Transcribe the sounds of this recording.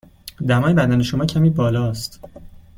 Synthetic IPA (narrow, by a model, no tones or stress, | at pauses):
d̪æmɒːjebæd̪æneʃo̞mɒːcʰæmiːbɒːlɒːst̪